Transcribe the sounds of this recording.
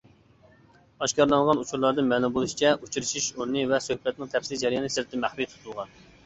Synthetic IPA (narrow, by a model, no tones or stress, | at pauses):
ɑʃkɑɾlˠɑŋʁɑnut͡ʃʰuɾlˠɑɾd̪ɨnmɛlˠumbolˠuʃi̥t͡ʃʰɛut͡ʃʰiɾɨʃiʃuɾnɨvɛsøhpɛt̪̚nɪŋt̪ʰɛpslɪd͡ʒɛɾjɑnɨsɨɾɪt̪ʰɪmæχɾit̪ʰu̥t̪ʰulˠʁɑn